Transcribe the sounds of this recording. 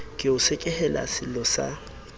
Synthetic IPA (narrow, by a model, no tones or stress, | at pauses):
kʼɪʊsɪkʼɛhɛla̰sɪlɔsa̰